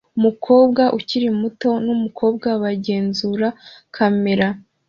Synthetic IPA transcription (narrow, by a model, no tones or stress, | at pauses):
umukʰo̞ːbɡaʔuciɾimuto̞numukʰo̞ːbɡaβaɟe̞ːnzuɾakʰame̞ɾa